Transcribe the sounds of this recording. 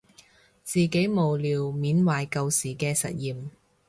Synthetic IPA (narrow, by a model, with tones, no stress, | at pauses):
t͡siː˨ke˨˥jmo˨˩wliː˨wmiː˨˥nwaː˨jkɐ˧wsiː˨˩kɛː˧sɐ̰˨t̚jiː˨m